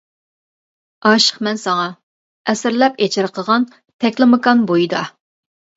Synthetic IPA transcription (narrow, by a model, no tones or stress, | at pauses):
ɑːʃə̥χmɛnsɑŋɑ | ɛsɪɾlɛpet͡ʃʰɪɾqʰəʁɑn | t̪ʰɛkʲlˠɨmɨkɑnbojid̪ɑ